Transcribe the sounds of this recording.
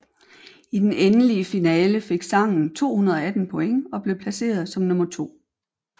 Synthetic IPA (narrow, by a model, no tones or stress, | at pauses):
id̥enenəliəfinɛːləfe̝ɡ̥sɑ̈ŋ̰n̩t͡sʰo̝̰ːhunɐð̞ˠɒ̽æd̥n̩pʰɔ̽eŋɒ̽b̥le̝ʊpʰlæse̝̰ːɐð̞ˠsɒ̽mnɔ̽mɐt͡sʰo̝̰ː